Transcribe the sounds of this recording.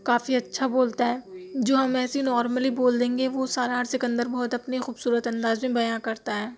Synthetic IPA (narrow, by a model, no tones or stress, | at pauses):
kaːfiɐtːʃʰaboːlt̪aɦɛːd͡ʒoːɦɐmɛːsinɔːɾməliboːld̪ẽːŋɡeʋosaːɾaɾsɪkə̃nd̪əɾbɔːʊt̪ɐpnixuːbsuːɾət̪ɐ̃nd̪aːzmẽbɐjãkɐɾt̪aɦɛː